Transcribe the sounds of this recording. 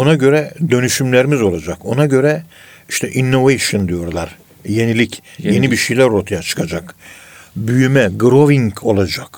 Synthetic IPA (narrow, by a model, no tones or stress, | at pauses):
onaɟø̞ɾɛd̪ø̞nyʃymlʲeɾimizo̞lˠad͡ʒako̞naɟø̞ɾɛ | iʃt̪ʰɛʔinːo̞vejʃond̪ijo̞ɾlˠaɾ | je̞nilʲicje̞nibiʃejlʲæɾo̞ɾt̪ʰajat͡ʃʰɯ̥kʰad͡ʒak | byjymɛɡɾo̞viŋkʰo̞lˠad͡ʒak